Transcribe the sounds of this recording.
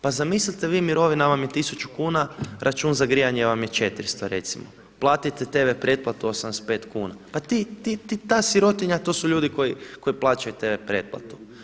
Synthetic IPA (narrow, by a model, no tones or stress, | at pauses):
pazamislit̪eʋiːmiɾo̞ʋinaʋamjet̪isut͡ʃukuːnaɾʔat͡ʃuːnzaɡɾijaɲeʋamjet͡ʃe̞t̪ɾist̪oɾe̞̰t̪simo̰ | plˠaːt̪it̪et̪e̞ʋepɾje̞t̪̚plat̪uosamnd̪espe̞ːt̪kuːna̰pat̪it̪it̪it̪aːsiɾo̞t̪iɲat̪o̞ːsuʎuːd̪iko̞jiko̞iplˠaːt͡ʃajut̪e̞ʋepɾe̞ːt̪̚plˠa̰t̪u̥